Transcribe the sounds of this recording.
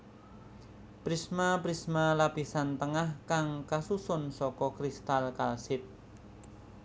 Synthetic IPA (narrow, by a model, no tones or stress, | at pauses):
pɾismapɾismalapisant̪əŋahkaŋkasusʊnsɔkɔkɾist̪alkalsɪt̪̚